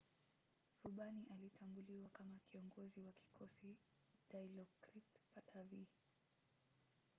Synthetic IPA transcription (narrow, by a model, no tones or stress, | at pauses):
ɾuɓaniʔalitʰambuliwakamakiɔŋɡɔziwaki̥kʰɔsi | dajlɔkɾitpatʰavi